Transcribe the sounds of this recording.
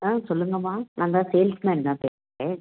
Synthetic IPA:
ãːsɔlːɯŋɡɐmaːnʔãːnd̪ãːseːlsmɛːnnãːpeːsŋɛ

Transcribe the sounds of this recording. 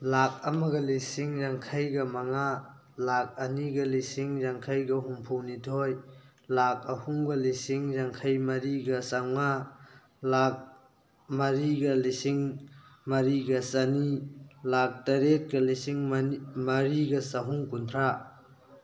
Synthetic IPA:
lak̚ɐmɐɡɐlisiŋɾaŋkʰajɡɐmɐŋa | lak̚ɐniɡɐlisiŋɾaŋkʰajɡɐɦuŋpʰuwnitʰoj | lak̚ɐhuŋɡɐlisiŋzaŋkʰajmɐɾiɡɐsawŋa | lak̚ | mɐɾiɡɐlisiŋmɐɾiɡɐsɐnilak̚tɐɾet̚kɐlisiŋmɐɾiɡɐsɐɦuŋkuntʰɾa

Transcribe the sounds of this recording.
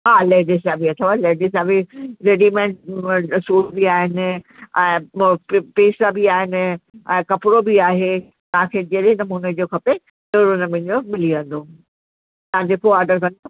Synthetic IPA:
ɦaːleːɖɪsabiɐt̪ʰoʋaleːɖɪsaːbiɾeːɖimɛ̃ɳʈsuːlbiaːɦɪnɪ̆ | ɛ̃ː | peːsabiaːɦɪnɪ̆ɛ̃ːkɐpɾobiaːɦe | t̪ɐɦãkʰeːd͡ʑeɗɦnɐmuːned͡ʑoːkʰɐpe | t̪eːɾonɐmɪ̃ɲomɪliʋɐ̃nd̪o | t̪ɐãd͡ʑeːkoaːɾɖəɾkɐ̃nd̪o

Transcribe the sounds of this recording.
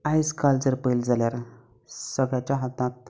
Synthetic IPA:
ajskald͡zəɾpəjld͡zʱaljaɾ | səɡɭjat͡ɕjaɦat̪ãt̪̚

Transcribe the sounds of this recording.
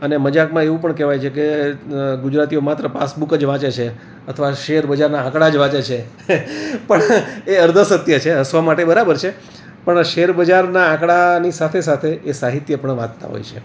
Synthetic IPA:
əneməd͡ʒakmãeʋũpəɳkɛʋajt͡ʃʰeke | ɡud͡ʒɾat̪iomat̪ɾəpa̰sbukəd͡ʒʋãt͡ʃet͡ʃʰe | ət̪ʰəʋaʃeɾbəd͡ʒaɾnaãkɽad͡ʒʋãt͡ʃet͡ʃʰe | pəɳeəɾd̪ʱəsət̪jət͡ʃʰeɦəsʋamaʈebəɾabəɾt͡ʃʰe | pəɳʃeɾbəd͡ʒaɾnaãkɽanisat̪ʰesat̪ʰeːsaɦit̪jəpəɳʋãd̪t̪a̰ɦo̰jt͡ʃʰḛ

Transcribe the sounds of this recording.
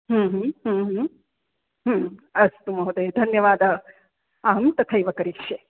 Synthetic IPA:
ɦũːɦɦũːɦ | ɦːɐst̪umɐɦud̪ɐjd̪ʱɐnjɐʋaːd̪ɐ | aːɐmt̪ɐt̪ʰɐjʋɐkɐɾikʂe

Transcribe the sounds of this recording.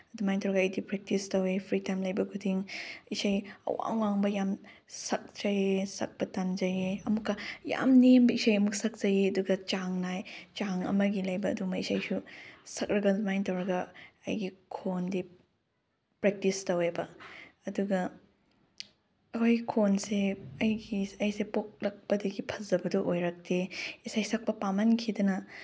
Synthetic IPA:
dumajntɐwɾɐɡɐɐjdipɾek̚tistɐwepʰɾitajmlɐjbɐɡʰudʰiŋisajɐ̰wa̰ŋwaŋbɐjamsɐk̚t͡ʃɐjesɐ̰k̚bɐtanzɐjeɐmukːɐja̰mnembɐisajɐmuk̚sɐk̚t͡ʃɐjeɐduɡɐt͡ʃaŋnajt͡ʃaŋɐ̰mɐɡilɐjbɐ̰ːdumɐisajsusɐkɾɐɡɐmajntɐwɾɐɡɐɐ̰jɡikʰondi | pɾek̚tistɐwebɐɐduɡɐ | ɐkʰojɡikʰonseɐjɡiɐjsepok̚lɐk̚pɐdɐɡipʰɐzɐbɐduʔojɾɐk̚teisajsɐk̚pɐpamɐnkʰidɐnɐ

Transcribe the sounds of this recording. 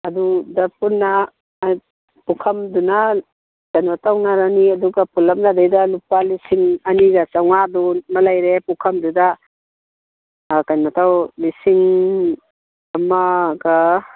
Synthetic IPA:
ɐdudɐpunːɐ | j | pukʰɐmduna | kajnmɐtawnaɾaniɐduɡapulɐm̚nadajdɐlupalisiŋɐniɡɐt͡ʃawŋadumɐlajɾepukʰɐmduda | kajnmɐtawlisiŋ | ɐmaɡa

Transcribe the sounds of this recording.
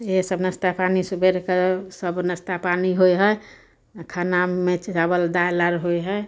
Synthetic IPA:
esəbnəst̪apanisubeɾkesəbnəst̪apaniɦojɦəj | kʰanaːet͡ʃabəld̪ajləɾɦojɦəj

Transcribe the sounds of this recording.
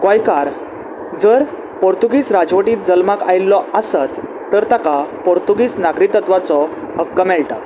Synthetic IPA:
kʋajkaɾ | d͡zəɾ | poɾt̪uɡiːsɾad͡zʋəʈiːt̪̚d͡zəlmakajlːɔasət̪ː | əɾt̪akapɔɾt̪uɡiːsnaɡɾit̪ːət̪ʋat͡sɔ | həkːəmɛɭʈa

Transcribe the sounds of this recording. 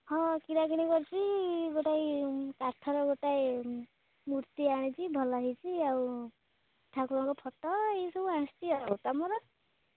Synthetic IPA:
hɔ̃kiɾakiɽ̃ikɔɾt͡ʃʰiɡoʈajkaʈʰɔɾɔɡoʈaj | muɾt̪iaɽ̃it͡ʃibʱɔlaɦit͡ʃʰiaw | ʈʰakuɾɔkɔpʰɔʈɔejsɔbuãst̪iaɾaot̪amɔɾɔ

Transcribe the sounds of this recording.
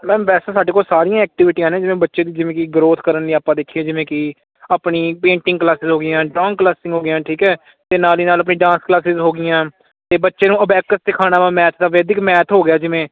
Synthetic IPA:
mɛ̃ːʋɛːseːsaːɖeːkoːlsaːɾijãːɛːk̚ʈɪʋɪʈiːãːnẽːd͡ʒɪʋẽːbətːʃeːd̪iːd͡ʒɪʋẽːkɪɡɾoːt̪ʰkəɾənliːaːpːãːd̪ekʰieːd͡ʒɪʋẽːkɪ | apɳiːpẽːɳʈɪ̃ŋɡklaːsɪzɦoːɡɪjãːɖɾɔːŋɡklaːsɪ̃ŋɡɦoːɡɪjãːʈʰiːkɛː | t̪eːnaːliːnaːləpniːɖãːnsklaːsɪzɦoːɡɪjãː | t̪eːbətːʃeːnũːəbɛːkəsd̪ɪkʰaːnaːʋãːmɛːt̪ʰd̪aːʋeːd̪ɪkmɛːt̪ʰɦoːɡɪjaːd͡ʒɪʋẽː

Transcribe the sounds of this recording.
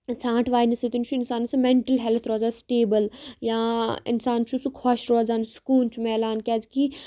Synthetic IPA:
t͡sʰãːʈʰʋaːinɐset̪unt͡ʃʰuɪnsaːnsɨmẽɳʈəlɦelt̪ʰɾɔːzaːsʈeːbəljãːɪ̰nsaːnt͡ʃʰusukʰaːʃɾoːzaːnsu̥kuːlt͡ʃʰumɛːlaːnkʲaːd͡zki

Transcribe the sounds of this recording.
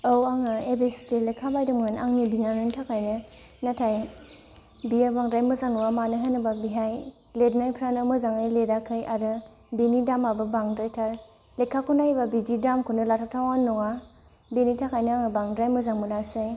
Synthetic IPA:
owaŋɯebesi̥telekʰabajdɯmŋɯnʔa̰ŋnibinanɯntʰakʰajnɯnatʰaj | biabaŋdɾajmɯzaŋnɔŋamanɯɦanɯbabiɦaj | lednajpʰɾanɯmɯzaŋajledakʰɯjʔaɾɯ | benidamabɯbaŋdɾajtʰaɾ | lekʰakʰundajbabididamkʰunɯlatʰatʰawannɔŋa | benitʰakʰajnɯaŋɯbaŋdɾajmɯzaŋmulasaj

